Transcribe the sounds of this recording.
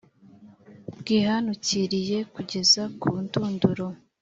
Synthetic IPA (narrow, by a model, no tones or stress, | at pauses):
b̚ɡ̥iːhanuciɾije̞kuɟe̞zakuːntuːnduɾo